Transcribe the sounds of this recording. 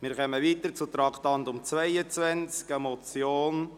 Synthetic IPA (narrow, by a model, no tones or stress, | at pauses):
mɪɾχœməʋiːt̪əɾt͡sut̪ɾɑktɑnt̪ʊmt͡svɛɪət͡svɛnt͡skɛmɔt͡sjoːn